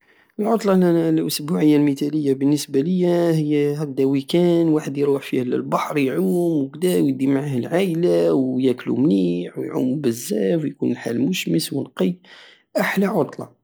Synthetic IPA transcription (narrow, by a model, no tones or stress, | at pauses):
əlʕot̪ˤlɑlʔʊsbuʕəjːalmit̪æləjːabənːəsbaləjːæhəjːæhæk̚d̪æwikænwaħəd̪jɾuħfihllbɑħɾjʕumwəkd̪æwjəd̪imaʕahəlʕaʔlawjæklṵmniħwjʕṵmbəzːæfwjkunlħa̰lmʊʃməswənqi | ʔaħlaʕot̪ˤlɑ̰